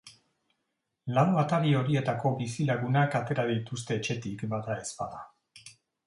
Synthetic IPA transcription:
lawat̪aɾio̞ɾie̞t̪ako̞bisilaɣunakat̪e̞ɾaðijt̪us̬t̪e̞ːt͡ʃe̞t̪ikbaðae̞spaða

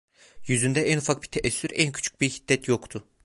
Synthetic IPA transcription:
jyzynd̪ɛænufak̚bi̥t̪ʰeʔɛsːyɾæncʰy̥t͡ʃʰy̥c̚biɾhi̥d̪̥ːɛt̪jo̞kt̪ʰʊ

